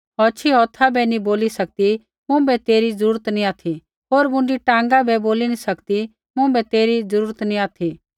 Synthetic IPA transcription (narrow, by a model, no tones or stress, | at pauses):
ɔːt͡ʃʰiɦɔːt̪ʰabɛnĩboːlisɐk̚t̪i | mʊ̃bɛt̪eːɾizəɾuːɾət̪nĩaːt̪ʰi | ɦoːɾmʊ̃ɳɖiʈãːŋɡabɛboːlinisɐkt̪i | mʊ̃bɛt̪eːɾid͡zəɾuːɾət̪nĩaːt̪ʰi